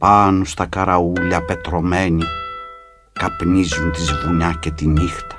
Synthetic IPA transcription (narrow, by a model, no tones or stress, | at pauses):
pɐnust̪ɐkɐɾɐuʎɐpe̞t̪ɾo̞me̞ni | kɐpnizunt̪izvuɲɐce̞t̪inixt̪ɐ̥